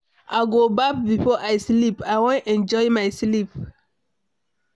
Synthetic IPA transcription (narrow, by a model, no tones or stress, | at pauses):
ʔaɡobak̚bifɔʔajslipajwõnɛ̃nd͡ʒɔjmajslip